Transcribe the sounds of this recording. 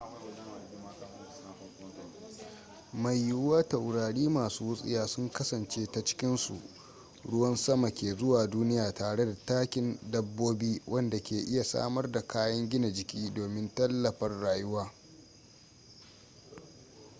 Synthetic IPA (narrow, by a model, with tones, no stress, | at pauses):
ma˨jːʊ˦waː˦tɐ˨wɽaː˨ɽiː˦maː˨suː˦wʊ˦sʼɪ̰˦jaː˦sʊ˦ŋkɐ˦sɐ˨nt͡ʃeː˦ta˦t͡ʃɪ̥˦kʲɪ˦nsṵ˨ | ɽʊ˦wɐ˦nsɐ˦ma˨kʲeː˨zʊ˦waː˨duː˦nɪ˦jaː˨taː˨ɽe˦da˨taː˦kʲɪ˦ndɐ˦bːoː˦biː˦wʔɐ˦nda˨kʲʰeː˨ʔɪ˦ja˨sa̰ː˦mɐ˦rda˨kʰaː˦jɐ˦ŋɡʲɪ˦na˨d͡ʒɪ˨kʲiː˦doː˨mɪ˦ntɐ˦lːɐ˨ɸɐ˦rːaː˨jʊ˦waː˦